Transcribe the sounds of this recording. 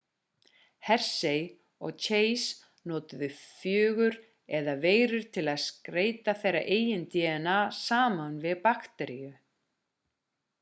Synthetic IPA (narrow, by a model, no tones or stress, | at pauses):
hɛr̥sej | ɔ̰ɣt͡ɕʰeːjs | nɔːt̪ʏðʏfjœːɣʏɾ | ɛðaveːjɾʏɾ̥t̪ʰɪlaðskɾeːjt̪aθejra̰ʔeːjɪnt̪jɛnasaːmanvɪðpaxt̪ɛɾijʏ